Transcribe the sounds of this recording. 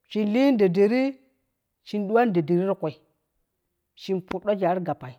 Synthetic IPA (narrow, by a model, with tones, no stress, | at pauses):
ʃi˨nli˦nda˨de˨ɾi˦ | ʃi˨ndu˦wa˦n˦da˨de˨ɾi˦ɾkʷo˨i˨ | ʃi˨npu˨ɗa˦d͡ʒa˨˦ɾɡa˨pa˨i˨